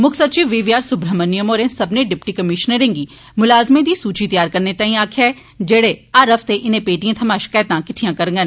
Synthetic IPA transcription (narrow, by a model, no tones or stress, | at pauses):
mʊkʰsɐt̪̚t͡ʃiːʋʋiːʋjaːɾsʊbɾəmənijəmoːɾẽsɐbneɖɪpʈikɐmɪʃnəɾẽːŋɡiː | mʊlaːzmẽd̪isuːt͡ʃit̪ɐjaːɾkɐɾnet̪ãːĩaːkʰɛː | d͡ʒeːɽeaɾɐfʰt̪eʔɪnẽpeːʈijẽt̪ʰɐmaːʃɪ̥kaːjt̪ãkɪʈʰijãkɐɾŋɡən